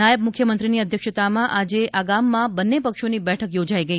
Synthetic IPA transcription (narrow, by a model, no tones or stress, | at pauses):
ajəb̚mʊkʰjəmənt̪ɾiniəd̪ʱjəkʃət̪amãʔad͡ʒeʔaɡamːãbənːepəkʃonibɛʈʰəkjod͡ʒaiɡəi